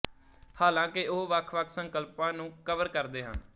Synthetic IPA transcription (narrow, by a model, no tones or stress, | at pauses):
haːlãːkɪoɦʋəkʰʋəkʰsəŋkəlpãːnũːkəʋəɾkəɾd̪eːɦə̰n